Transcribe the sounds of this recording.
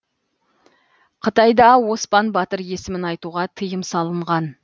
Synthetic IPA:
qʰət̪ɑjd̪ɑwo̞spɑnbɑt̪əɾje̞sɪmɪnɑjt̪uʁɑt̪ʰəjəmsɑlˠəɴʁɑn

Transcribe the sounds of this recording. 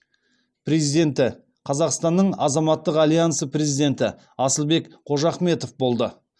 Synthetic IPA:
prezid̪e̞nt̪ɪ | qʰɑzɑqst̪ɑnːəɴɑzɑmɑt̪ːəqalʲijansəprʲe̞zid̪e̞nt̪ɪ | ɑsəlˠbe̞kqʰo̞ʒɑχme̞t̪o̞fbo̞lˠd̪ə

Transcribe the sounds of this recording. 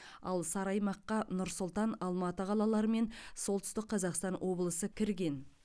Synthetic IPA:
ɑ̰lˠsɑɾɑjmɑqːɑnʊɾsʊlˠt̪ɑnɑlˠmɑt̪əʁʰɑlˠɑlˠɑɾəme̞nso̞lˠt̪ʏst̪ɪk̚qːʰɑzɑqst̪ɑnwʔo̞blˠəsəkʲʰɪɾɡʲe̞n

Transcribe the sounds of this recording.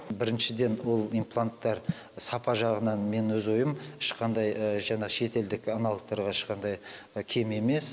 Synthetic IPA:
bɪɾɪnʃɪd̪e̞nwo̞lˠijmplˠant̪ːɑɾ | sɑpɑʒɑʁənɑnme̞nwɵzwo̞jəmɪʃqɑnd̪ɑjʒɑɴɑʁʃe̞t̪e̞ld̪ɪkɑnɑlˠq̚t̪ːɑɾʁɑɪʃqɑnd̪ɑjkʲʰe̞me̞me̞s

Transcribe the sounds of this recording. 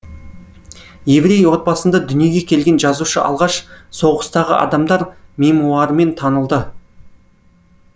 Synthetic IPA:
je̞vɾe̞jwo̞t̪̚bɑsənd̪ɑd̪ʏnije̞ɡʲe̞kʲʰe̞lɡʲe̞nʒɑzuʃəʔɑ̰lˠʁɑʃso̞ʁəst̪ɑʁə̰ʔɑ̰d̪ɑmd̪ɑɾme̞muɑɾəme̞nt̪ʰɑnəlˠd̪ə

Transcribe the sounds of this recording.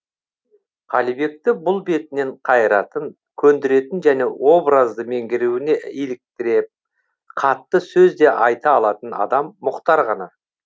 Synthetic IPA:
ʁʰɑlijbe̞k̚t̪ɪbʊlˠbe̞t̪ɪne̞ɴqʰɑjəɾɑt̪əŋ | kʲʰɵnd̪ɪɾe̞t̪ɪnʒæne̞wo̞bɾəzd̪əme̞ŋɡʲɪɾuwɪne̞elɪk̚t̪ɪɾe̞p̚ | qʰɑt̪ːəsɵzd̪e̞ʔɑjt̪ɑːlˠɑt̪ənɑ̰d̪ɑmːʊqt̪ɑɾʁɑnɑ

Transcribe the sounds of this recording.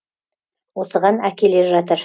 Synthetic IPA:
wo̞səʁɑnækʲe̞le̞ʒɑt̪̬əɾ

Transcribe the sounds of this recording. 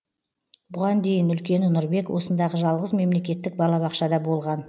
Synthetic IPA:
bʊʁɑnd̪e̞jɪnʏlkʲe̞nɪnʊɾbe̞kwo̞sənd̪ɑʁəʒɑlˠʁəzme̞mle̞kʲe̞t̪ːɪk̚bɑlˠɑβɑqʃɑd̪ɑbo̞lˠʁɑn

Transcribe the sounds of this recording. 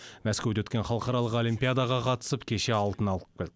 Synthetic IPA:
mæskʲewd̪ewɵt̪kʲe̞nχɑlˠəqɑɾɑlˠəqo̞limpʲijad̪aʁɑqʰɑt̪ə̥səpkʲʰe̞ʃe̞ɑlˠt̪ənɑlˠəp̚kʲʰelt̪

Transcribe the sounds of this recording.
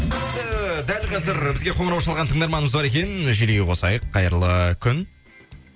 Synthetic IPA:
end̪əd̪ælqʰɑzɪɾbɪzɡʲe̞qʰo̞ɴəɾɑwʃɑlˠʁɑnt̪ʰəɴd̪ɑɾmɑnəməzbɑɾe̞kʲenʒeleɡʲewʰo̞sɑ̰jəqʰːɑjəɾlˠəkʲʰʏn

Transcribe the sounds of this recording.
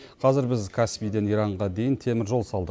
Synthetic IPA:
qʰɑzɪɾbɪzkʰaspijd̪e̞nijɾɑɴʁɑd̪e̞jɪnt̪ʰe̞mɪɾʒo̞lˠsɑlˠd̪ə

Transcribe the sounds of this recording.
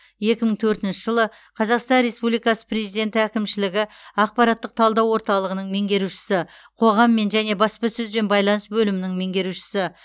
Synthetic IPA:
je̞kʲɪməɴt̪ʰɵɾt̪ɪnʃɪʒəlˠə | qʰɑzɑqst̪ɑnɾe̞spublijkɑsə̥pre̞zijd̪e̞nt̪ɪækʲɪmʃɪlɪɡʲɪɑq̚pɑɾɑt̪ːəq̚t̪ʰɑlˠd̪ɑwo̞ɾt̪ɑlˠəʁənəɴme̞ŋɡʲe̞ɾuʃɪ̥sɪqʰo̞ʁɑmːe̞nʒæne̞bɑspɑsɵzbe̞nbɑjlˠɑnəsbɵlɪmɪnɪŋme̞ŋɡʲe̞ɾuʃɪ̥sɪ

